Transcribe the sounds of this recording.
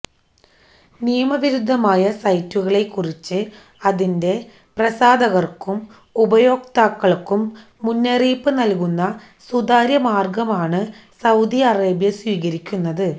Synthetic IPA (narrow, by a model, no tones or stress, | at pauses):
nijɐmɐʋiɾud̪ʱːɐmaːjɐsɐjtːuɣɐɭe̞kːurit͡ɕːɨ | ɐðinde̞ | prɐsaːd̪ɐɣɐrkum | ubɐjo̞ːkt̪aːkːɐɭkːumː | unːɐriːpːɨnɐlkunːɐ | sud̪aːɾjɐmaːrɡɐmaːɳɨ | sɐwd̪iɐreːbjɐswiːɣɐɾikʲːunːɐðɨ